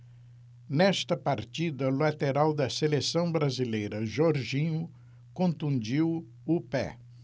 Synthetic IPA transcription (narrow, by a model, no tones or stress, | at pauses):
nɛst̪ɐpaɾt͡ʃid̪ɐlat̪eɾawd̪ɐselesɐ̃w̃bɾazilejɾɐʒɔɾʒĩɲʊ | kõnt̪ũnd͡ʒiw | ʊpɛ̰